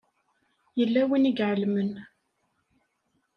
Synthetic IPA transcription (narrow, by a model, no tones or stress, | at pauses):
jəlːæwiniɡʕəlmən